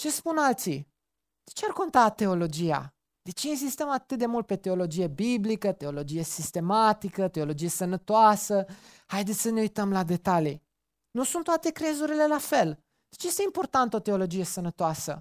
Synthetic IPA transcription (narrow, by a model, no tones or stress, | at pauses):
t͡ʃe̞spunalt̪si | d̪̥e̞t͡ʃearko̞nt̪at̪e̞o̞lo̞d͡ʒija̰ | d̪̥e̞t͡ʃeinzist̪əmat̪ɨt̪̚d̪e̞mult̪̚pe̞t̪e̞o̞lo̞d͡ʒije̞biblikət̪e̞o̞lo̞d͡ʒije̞sist̪e̞mat̪ikət̪e̞o̞lo̞d͡ʒije̞sənət̪oasə | hajd̪et̪sʲsəne̞ujt̪əmlad̪e̞t̪ali | nusunt̪ːoat̪e̞kɾe̞zuɾile̞lafe̞l | d̪̥et͡ʃje̞st̪e̞impo̞rt̪ant̪əo̞t̪e̞o̞lo̞d͡ʒije̞sənət̪oasə̰